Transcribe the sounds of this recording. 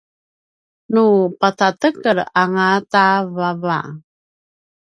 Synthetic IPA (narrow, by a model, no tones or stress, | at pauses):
nupatatəkəɾaŋatavava̰